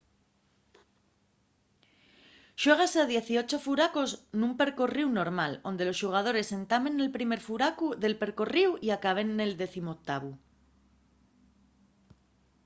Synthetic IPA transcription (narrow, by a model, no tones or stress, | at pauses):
ʃwe̞ɣ̞asað̞je̞θio̞t͡ʃo̞fuɾakoznũmpe̞ɾko̞riwno̞ɾmalo̞nd̪e̞lo̞sʃuɣ̞að̞o̞ɾe̞se̞nt̪amẽ̞ne̞lpɾime̞ɾfuɾakuðe̞lpe̞ɾko̞riwiakaβ̞e̞nːe̞ld̪e̞θimok̚t̪aβ̞u